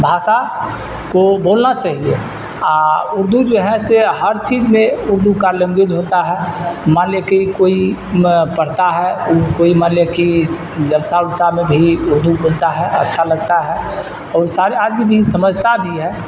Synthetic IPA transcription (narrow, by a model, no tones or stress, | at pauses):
bʱasa | kobolnat͡ʃaɦiḛ | aʊɾd̪ʱud͡ʒoɦɛ̃seɦəɾt͡ʃid͡ʒmẽʊɾd̪ʱukalə̃ŋɡed͡ʒɦot̪aɦɛmaljəkeikoi | pəɽ̤t̪aɦɛukoimaljəki | d͡ʒəlsaʊlsamẽbʱiʊɾd̪ʱubolt̪aɦɛə̰tːʃʰaləɡ̚t̪aɦɛ | ɔːɾsaɾead͡ʒbibʱisəməd͡ʒʱt̪abʱiɦɛ